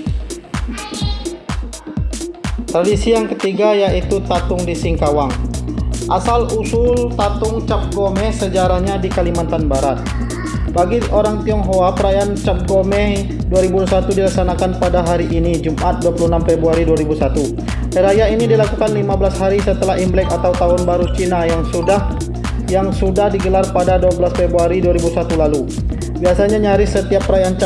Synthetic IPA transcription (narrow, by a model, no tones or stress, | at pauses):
t̪ɾadisijaŋkət̪iɡajait̪ut̪at̪ʊŋdisiŋkawaŋ | ʔasalusʊlt̪at̪ʊŋt͡ʃap̚ɡomɛsəd͡ʒaɾahɲadikalimant̪anbaɾat̪̚ | baɡiʔoɾaŋt̪iɔŋɦoapəɾajant͡ʃap̚ɡomɛh | duaɾibusat̪udilaksanakanpadaɦaɾiʔːnid͡ʒumʔat̪̚duwapuluhnamfebɾuaɾiduaɾibusat̪u | əɾajainidilakukanlimabəlashaɾisət̪əlaɦimblɛkat̪awt̪aɦʊnbaɾut͡ʃinajaŋu | jaŋsudahdiɡəlarpadaduabəlasfebɾuaɾiduaɾibusat̪ulalu | biasaɲaɲaɾisət̪iapːəɾajaant͡ʃ